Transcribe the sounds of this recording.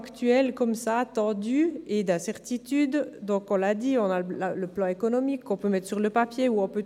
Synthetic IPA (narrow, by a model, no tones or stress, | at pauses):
akt̪yɛlkɔmsat̪ɑ̃d̪yed̪ɛ̃sɛʁt̪it̪yd̪ːɔ̃kɔ̃lad̪iɔ̃nallaləplɑ̃ekɔnɔmikʰːɔ̃pømɛt̪χsyʁləpapjeuɔ̃pø